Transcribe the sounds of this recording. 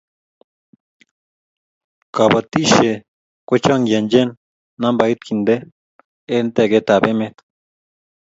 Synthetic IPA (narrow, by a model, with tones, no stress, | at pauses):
ka˨ba˧t̪i˦ʃe˨ | kʷe˦t͡ʃa˦ŋɡje˨nd͡ʒe˦nː | ã˦mba˧jt̪̚ki˨nd̪e˦ | e˦nt̪e˦˧˨ɡe˦˧t̪a˨be˦mẽ˦t̪